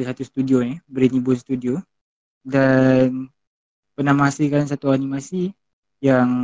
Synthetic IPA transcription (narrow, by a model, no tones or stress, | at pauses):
isat̪ust̪udionibəɾinibʊnst̪udio | dan | pənahmaasilkans̬at̪uanimasi | jaŋ